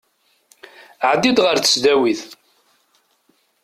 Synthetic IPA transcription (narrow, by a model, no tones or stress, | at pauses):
ʕd̪ːid̪ʁəɾθə̥sd̪æwiθ